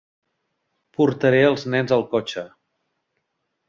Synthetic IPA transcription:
puɾt̪əɾeəlˠznɛnzəlˠkɔt͡ʃə

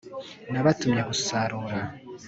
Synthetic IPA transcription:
naβatumɲeɡusaɾuːɾa

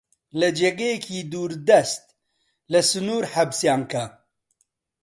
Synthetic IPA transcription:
lɐd͡ʒeɡejekʰiːd̪uːɾd̪ɐst̪̚ | lɐsɨnuːɾħabsjaːŋka

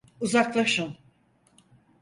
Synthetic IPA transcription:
uzaklˠaʃɯn

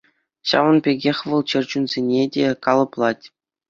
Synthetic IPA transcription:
ɕɑ̰ʋɤ̆npʲeɡʲexʲʋɤ̆lˠt͡ɕɘ̆rʲd͡ʑunzʲenʲedʲekɑlˠɤ̆plˠɑtʲ

